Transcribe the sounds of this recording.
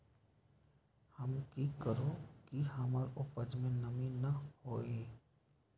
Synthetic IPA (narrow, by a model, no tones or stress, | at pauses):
həmkikəɾokiɦɐmaɾʊpəd͡ʒmẽnɐmĩnɐhoːe